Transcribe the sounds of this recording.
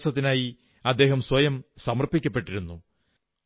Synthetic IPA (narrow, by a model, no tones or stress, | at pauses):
sɐt̪ːinaːji | ɐd̪ːe̞ːɦɐmswɐjɐmsɐmɐrpikʲːɐpːe̞ʈːiɾunːu